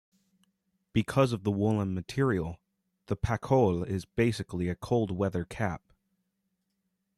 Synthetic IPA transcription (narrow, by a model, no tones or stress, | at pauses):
b̥ɨkʰʌzʌvðəwʊlˠə̃nmɨtʰɪɹil̩ˠ | ðəpʰækʰoʊlˠɪzbeɪsɨkliɨkʰoʊlˠd̚wɛðə˞kʰæp̚